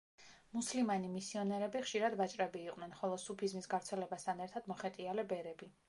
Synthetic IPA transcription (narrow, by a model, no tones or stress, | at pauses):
muslimanimisiɔnɛɾɛbiχʃiɾad̪vat͡ʃʼɾɛbiːqʼnɛnχɔlˠɔsupʰizmisɡavɾt̪sʰɛlɛbast̪ʰanɛɾt̪ʰad̪̥mɔχɛt̪ʼialɛbɛɾɛbi